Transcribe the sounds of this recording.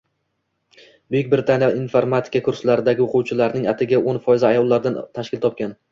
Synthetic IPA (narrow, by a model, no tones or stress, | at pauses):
bʊjɪkʲbɪɾɪt̪ʰanjɒinfoɾmat̪ʰɪ̥kakʰʊɾslaɾɪd̪aɡʲɪoqʰʊwt͡ʃʰɪlaɾnɪŋat̪ʰɪɡʲaʔonfɒjɪzɪajɒlˠːaɾd̪ant̪ʰaʃkʲɪlt̪ʰɒp̚kʲan